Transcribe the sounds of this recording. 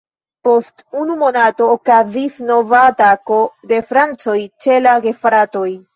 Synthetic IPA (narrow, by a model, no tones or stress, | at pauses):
po̞stunumo̞nato̞ːkazisno̞vatako̞de̞fɾant͡so̞jt͡ʃe̞laɡe̞fɾato̞j